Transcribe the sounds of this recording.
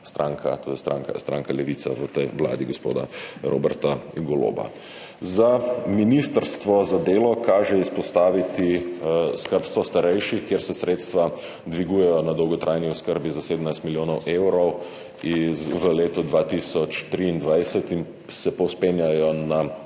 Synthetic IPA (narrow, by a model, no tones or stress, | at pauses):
st̪ɾaːŋkʰa̰t̪oːd̪ɛjst̪ɾa̰ŋka̰st̪ɾaːŋkalɛʋiːt̪sa̰ʋət̪ɛjʋla̰ːd̪iɡospo̰ːd̪a̰ɾʔo̰ːbɛɾt̪aɡɔlo̰ːba̰ | zaminist̪əɾst̪ʋɔzad̪eːlɔkaːʒɛispɔst̪aːʋit̪iskəɾpst̪ʋɔst̪aɾɛjʃixkjeɾsɛsɾeːt̪st̪ʋa | d̪ʋiɡuːjɛjɔnad̪ɔwɡɔt̪ɾʔaːjniɔskəɾbizased̪əmnajst̪miljoːnɔwʔewɾɔw | iʋəleːt̪ɔd̪ʋaːt̪isɔt͡ʃt̪ɾiːnd̪ʋajsɛt̪in | sɛpɔwspenjajɔna